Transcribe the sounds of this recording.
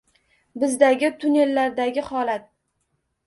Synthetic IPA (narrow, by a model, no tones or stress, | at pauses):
bɪzd̪aɡʲɪt̪ʰʊne̞lːaɾd̪aɡʲɪχɒlat̪̚